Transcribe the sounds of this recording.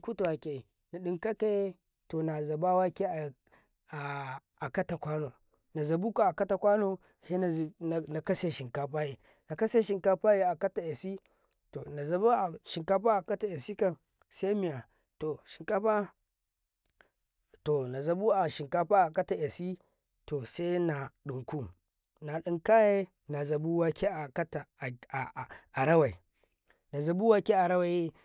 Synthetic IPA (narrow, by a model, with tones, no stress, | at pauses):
ku˦tu˨wa˨ke˨i˨ | na˨ɗi˦ŋka˦ke˦e˦ | to˨na˨za˨ba˦wa˦ke˦a˨ | a˨ | a˨ka˦ta˨kʷa˦no˨ | na˨za˨bu˦ka˨a˨ka˦ta˨kʷa˦no˦ | he˦˨na˨ka˦se˨ʃi˨ŋka˦ɸa˦je˨ | na˨ka˦se˦ʃi˨ŋka˦pa˦je˦a˨ka˦ta˨je˨si˦ | to˨na˨za˨bu˦a˨ʃi˨ŋka˦ɸa˦a˨ka˦ta˨je˨si˦ka˨n | se˦mi˨ja˨ | to˨ʃi˨ŋka˦ɸa˦ | to˨na˨za˨bu˦a˨ʃi˨ŋka˦ɸa˦a˨ka˦ta˨ʔe˨si˦ | to˨se˦na˨ɗu˨ŋku˦ | na˨ɗi˦ŋka˦je˦ | na˨za˨bu˦wa˦kʰʲe˦a˨ka˦ta˨ | a˨ɾa˦wa˨i˨ | na˨za˨bu˦wa˦kʲe˦a˨ɾa˦wa˨ji˦